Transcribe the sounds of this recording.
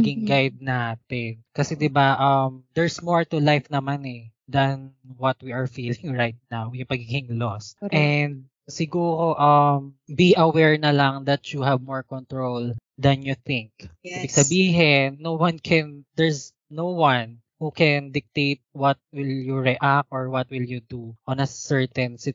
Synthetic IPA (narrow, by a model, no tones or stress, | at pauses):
ɡɪŋɡajd̪̚naːt̪ɛnkɐsɛd̪ɪbaʔɐmd̪ɛɹsmɔɹt̪ʊlajfnɐmanɛd̪ɐnwɐt̪̚wiɐɹfiːlɪŋɹajt̪̚nawjʊŋpɐɡiːɡɪŋlosʔɛnd̪̚ | sɪɡuːɾoʔɐmbiʔɐwɛɹnɐlaŋd̪ɐt̪t͡ʃuɦɛvmɔɹkɔnt̪ɹold̪ɐnjuθɪ̃ŋk̚ːbɪɡsɐbiːɦɪnːowankʰɛnd̪ɛɹs | nowwan | hukɛnd̪ɪk̚t̪eɪt̪̚wɐt̪̚wɪljuɹɛʔak̚t̪ʔɔɹwɐt̪̚wɪljud̪uʔɔnɐsɛɹt̪ɛnsɪ